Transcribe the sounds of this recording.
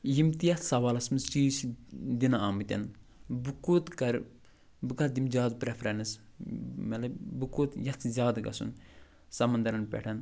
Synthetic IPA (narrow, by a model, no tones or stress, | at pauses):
jimt̪ijɐt̪ʰsɐʋaːlɐsmɨsiːʃd̪inaaːmɨt̪ʲɐ̰n | bukuːt̪kɐɾ | bɨkɐd̪imd͡ʒaːd̪pɾɐfʰɾɐnis | mɐlɐbukuːt̪jɐt̪ʰzʲaːd̪ɡɐ̰sṵn | sɐmɐnd̪ɐɾɐnpʲɛ̰ʈʰɐn